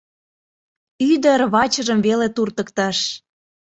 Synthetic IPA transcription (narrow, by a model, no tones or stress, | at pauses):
yd̪əɾβɑt͡ɕə̆ʒəmvelet̪urt̪ə̆kt̪ɑʃ